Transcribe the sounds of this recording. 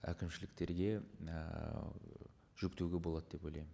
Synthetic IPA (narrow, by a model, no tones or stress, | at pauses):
æ̰kʲɪmʃɪlɪk̚t̪e̞ɾɡʲe̞̰ | ʒ̥ʏkt̪ewɡʲebolˠɑd̪əd̪e̞pojlˠɑjmɪn